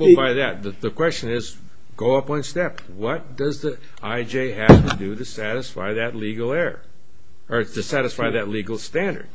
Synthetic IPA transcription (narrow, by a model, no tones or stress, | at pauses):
wɛlˠbaɪðɨt̪̚ðɨðɨkʰw̥ɛst͡ʃɨ̃nɪz | ɡ̥oʊʌpə̃nstɛp | wʌt̚d̥ʌzði | aɪd͡ʒeɪɦɨftɨdɨɾɨsæɾɨsfa̰ɪðɨtˡliɡl̩ˠɛɹ | ə˞tʰɨsæɾɨsfaɪðɨtˡliɡl̩ˠstæ̃ndə̰˞d̥̚